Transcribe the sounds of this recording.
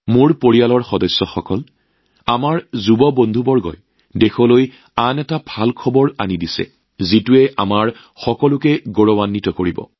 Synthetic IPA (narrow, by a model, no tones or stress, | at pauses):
moɹpoɹijalɔɹxɔdɔjsːɔxɔkɔl | amaɹzubɔbondʱubɔɹɡɔ̰j | dexɔloj | anɛtabʱalkʰɔbɔɹanidisɛ̰ | zituɛʔa̰maɹ | xɔkɔlʊkɛɡoɹɔwanːitɔkoɹibɔ̰